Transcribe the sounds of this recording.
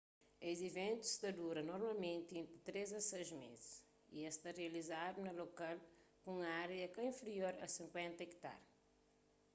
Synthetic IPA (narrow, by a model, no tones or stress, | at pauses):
ezivẽnt̪u̥st̪ɐd̪uɾɐnɔɾmalmẽnt̪iẽnt̪ɾit̪ɾezɐsejzmḛziʃ | ḭest̪areɐlizad̪unɐlokalkũŋaɾeɐkɐĩfɾioɾɐ̰sĩŋkwẽnt̪ɐekt̪a̰ɾ